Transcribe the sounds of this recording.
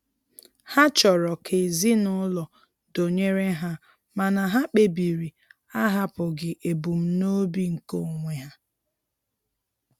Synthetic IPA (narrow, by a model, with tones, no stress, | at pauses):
ha˦t͡ʃɔ˨ɾɔ˨kʰe˨zi˦nʊ˦lɔ˨ | do˨ɲe˦ɾe˦ɦa˦ | ma˨na˨ɦa˦k͡pe˨bi˨ɾi˨ | a˦ɦa˦pʊ˨ɡɪ˨ʔe˨bu˨m̩˦no˦bi˦ŋ̩˨ko˦˨ŋʷe˨ɦa˦